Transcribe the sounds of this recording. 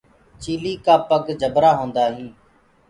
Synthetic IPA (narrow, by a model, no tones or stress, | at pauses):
t͡ʃiːliːkaːpəɡd͡ʒʱəbɾaːɦõːnd̪aːɦĩː